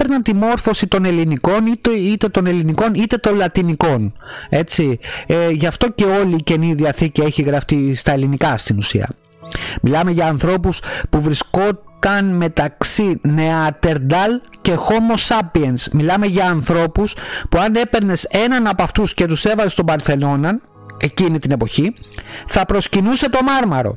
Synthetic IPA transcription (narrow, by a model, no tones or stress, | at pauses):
peɾnɐnt̪imo̞ɾfo̞sit̪o̞ne̞liniko̞nit̪it̪e̞t̪o̞ne̞liniko̞nit̪e̞t̪o̞nlɐt̪iniko̞ne̞t͡sieʝɐft̪o̞ce̞o̞liːce̞niðiɐθicie̞çiɣɾɐft̪ist̪ɐe̞linikɐst̪inusḭɐ̰ | milɐme̞ʝɐːnθɾo̞puspuvɾisko̞t̪ɐnme̞t̪ɐksine̞ɐt̪e̞ɾd̪ɐlce̞xo̞mo̞sɐpie̞nsmilɐme̞ʝɐːnθɾo̞puspuɐne̞pe̞ɾne̞se̞nɐnɐpɐft̪usce̞t̪use̞vɐzest̪o̞mbɐɾθe̞no̞nɐn | e̞cinit̪ine̞po̞çiθɐpɾo̞scinuse̞t̪o̞mɐɾmɐɾo̞̰